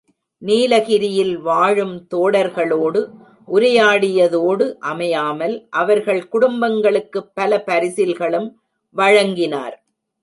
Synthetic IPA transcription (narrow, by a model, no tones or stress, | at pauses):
niːlɐɣɪɾɪjɪlʋaːɻɯmt̪oːɽɐɾɣɐɭoːɽɯ | ʔʊɾɐjaːɽɪjɐðoːɽɯʔɐmɐjaːmɐlʔɐʋɐɾɣɐɭkʊɽʊmbɐŋɡɐɭɯkːɯpːɐlɐpɐɾɪsɪlɣɐɭɯm | ʋɐɻɐŋɡɪna̰ːɾ